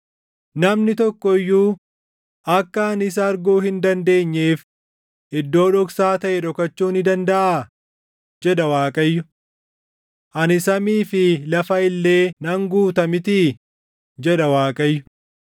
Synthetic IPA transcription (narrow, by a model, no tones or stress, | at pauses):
nɐmnɪt̪ɔkːɔɪjːuː | ʔɐkːɐːnɪs̬ɐːɾɡoːhɪnd̪ɐnd̪e̞ːɲːe̞ːf | ɪd̪ːo̞ːᶑɔksaːt̪ɐʔɛᶑɔkɐt͡ʃːuːnɪd̪ɐnd̪ɐʔaː | d͡ʒɛᶑɐwaːkʼɐjːʊ | ʔɐnɪsɐmiːfɪlɐfɐɪlːe̞ːnɐŋɡuːt̪ɐmɪt̪i | d͡ʒɛᶑɐwaːkʼɐjːʊ